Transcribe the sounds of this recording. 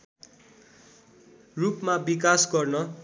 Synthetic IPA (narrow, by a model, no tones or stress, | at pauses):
rupmabikasɡʌrnʌ